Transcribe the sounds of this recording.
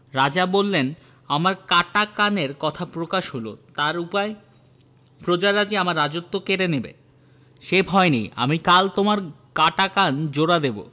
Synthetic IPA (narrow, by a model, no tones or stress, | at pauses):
ɾad͡ʑabolːen | amaɾkaʈakaneɾkɔt̪ʰapɾokaʃɦolo̰t̪aɾupae | pɾod͡ʑaɾad͡ʑiamaɾːad͡ʑot̪ːokeɾenebḛ | ʃebʱɔeneja̰mikalt̪omaɾ | kaʈakand͡ʑoɾad̪ebo̰